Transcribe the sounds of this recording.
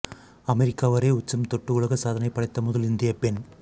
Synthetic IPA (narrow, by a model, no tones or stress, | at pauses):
ɐmɛɾɪkːaːʋɐɾeːʊt͡ʃːɐmt̪ɔʈːɯɯɭɐɣɐsaːðɐnɐɪpːɐɽɐɪt̪ːɐmʊðɐlɪnd̪ɪjɐpɛn